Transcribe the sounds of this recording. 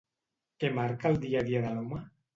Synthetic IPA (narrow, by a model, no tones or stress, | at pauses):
kemaɾkald̪iaðiaðaloma